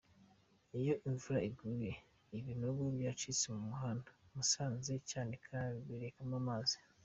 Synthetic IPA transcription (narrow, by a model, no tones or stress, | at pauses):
ijo̞ʔiɱvuɾaiɡuɾe | iβinoβobjaːt͡ʃit͡semumuɦaːndḁmusaːnze̞caːne̞kʰaaβiɡiɾekamamazi̥